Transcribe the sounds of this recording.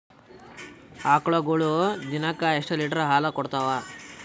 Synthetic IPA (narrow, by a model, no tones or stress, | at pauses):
aːkɭɐɡuɭud̪inɐkːaeʂʈɐliːʈɐɾɐɦaːlɐkɔɽt̪aʋa